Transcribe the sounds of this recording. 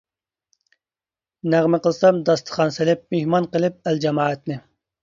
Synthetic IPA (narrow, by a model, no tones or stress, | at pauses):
næʁmɪqəlˠsɑmd̪ɑst̪ʰə̥χɑnsɪlɪp̚mehmɑnqəlˠɨp̚æld͡ʒɛmɑːɛt̪nɪ